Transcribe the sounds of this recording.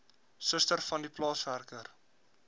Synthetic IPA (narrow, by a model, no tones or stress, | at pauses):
səstərfɐndiplɑːsværkər